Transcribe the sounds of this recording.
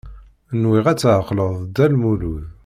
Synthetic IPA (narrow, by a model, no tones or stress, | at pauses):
nwiʁæt͡sːʕqːləðˤd̪ælmuluð